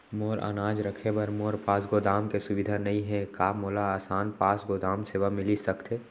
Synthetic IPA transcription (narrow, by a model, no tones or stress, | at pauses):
moːɾa̰ːnaːd͡ʒɾəkʰebɐɾmoːɾpaːsɡoːd̪aːmkesʊʋɪd̪ʱanɐɦĩɦɛ̃kaːmoːlaaːsaːnpaːsɡoːd̪aːmseːʋamɪlisɐkt̪ʰeː